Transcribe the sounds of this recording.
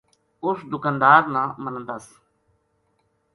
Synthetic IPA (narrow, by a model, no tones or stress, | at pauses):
ʊsd̪ʊkand̪aːɾnãːmənənd̪əs